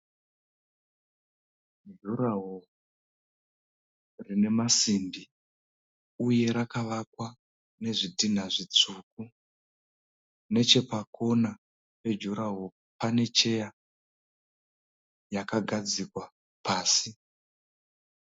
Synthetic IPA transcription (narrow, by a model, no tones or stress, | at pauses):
d͡ʒuɾaɦo | rine̞masimbi | uje̞ɾakaʋakwa | ne̞ʐidin̤aʐit͡suk̚u | ne̞t͡ʃe̞pako̞na | pe̞d͡ʒuɾaɦo̞ | pane̞t͡ʃe̞ja | jakaɡʱad͡zikwa | paːsi